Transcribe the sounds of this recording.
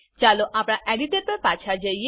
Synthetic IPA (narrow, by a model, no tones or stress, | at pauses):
t͡ʃaloʔapɽ̃ãʔeɽiʈəɾpəɾpat͡ʃʰad͡ʒəie